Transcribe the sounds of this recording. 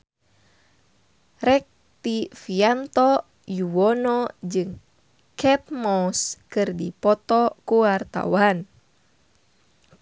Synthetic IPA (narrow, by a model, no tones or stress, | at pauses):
rɛk̚ | t̪ifiant̪ɔ | juwɔnɔd͡ʒɨŋ | kʰɛp̚mɔskɨrdipɔt̪ɔkuwart̪a̰wan